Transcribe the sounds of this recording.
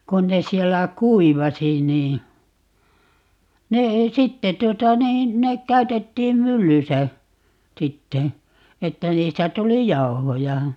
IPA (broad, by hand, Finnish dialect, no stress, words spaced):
kun ne sielːæ kuiʋɑsi niː ne ei sitːe tuotɑ niːn nek kæytetːiːm mylːysæ sitːe etːæ niːstæ tuli jɑu̞hojɑ